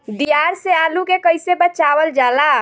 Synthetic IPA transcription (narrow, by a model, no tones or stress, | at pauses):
d̪ijaɾsealukekəjsebət͡ʃaʋəld͡ʒala